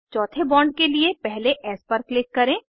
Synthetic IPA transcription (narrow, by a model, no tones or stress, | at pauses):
t͡ʃɔːt̪ʰebɔ̃ːɳɖ̚keliepɛɦleʔɛːspəɾklɪkːɐɾẽː